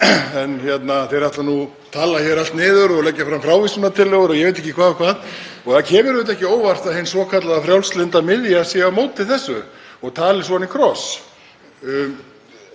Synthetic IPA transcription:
ɛnçjɛt̪naθeɾat̪lanu | t̪ʰaːlaçɛɾalt̪nɪːðʏɾɔɣlɛcːafɾamfɾaːwvisʏnat̪ʰɪlːɛɣʏɾɔɣjɛveɪjt̪̬ɛhcːɪkʰvaːðɔkʰvaːðɔɣðacʰɛːmʏɾvɪt̪̬ɛhcɪoːwvar̥t̪aðhɪnsvɔkʰat̪laɣafɾjawlslɪnt̪amɪðjasjɛamoːwt̪ʰːɪθɛsːʏɔɣt̪ʰaːlɪsvɔanikʰɾɔs

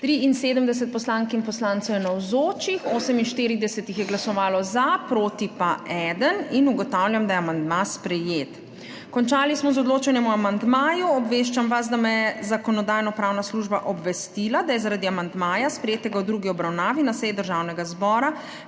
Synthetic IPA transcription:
t̪ɾiinseːd̪əmd̪ɛs̬ɛt̪̚pɔslaːŋkinpɔslaːnt̪sɛwjɛnawzoːt͡ʃixoːsəminʃt̪iːɾid̪ɛsɛt̪ixjɛɡlasɔʋaːlɔzapɾoːt̪ipaʔɛd̪əninuɡɔt̪awljamd̪ajɛamand̪maspɾɛjet̪ | kɔnt͡ʃaːlismɔzɔd̪loːt͡ʃanjɛmuamand̪maːjuɔbʋeːʃt͡ʃamʋas̬d̪amɛjɛzakɔnɔd̪aːjnɔpɾaːwnasluʒbaʔɔbʋɛst̪ilad̪ajɛzaɾad̪iamand̪maːjaspɾɛjeːt̪ɛɡawd̪ɾuːɡiɔbɾawnaːʋinasɛjɛd̪əɾʒaːwnɛɡazbɔːɾa

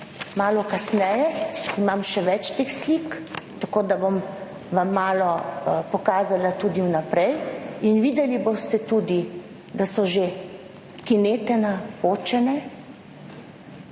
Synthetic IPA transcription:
maːlɔkasnɛjɛimamʃɛʋɛt͡ʃt̪exslikt̪akoːd̪abom | ʋamːaːlɔpɔkaːzalat̪ud̪iwnapɾɛjinʋiːd̪ɛlibost̪ɛt̪uːd̪i | d̪asɔʒe | kineːt̪ɛnapoːt͡ʃɛnɛ

